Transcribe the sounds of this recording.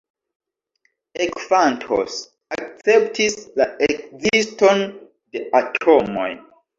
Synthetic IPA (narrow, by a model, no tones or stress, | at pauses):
ekfantʰo̰s | ak̚t͡septʰislaekziston | deatʰomo̰j